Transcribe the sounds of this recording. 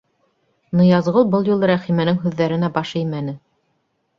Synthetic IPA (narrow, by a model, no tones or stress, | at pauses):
nɤ̆jɑzʁɤlˠbɤlˠjulˠɤɾæχimænɘŋɦʉðːæɾɘ̆næbɑʃɘjmænɘ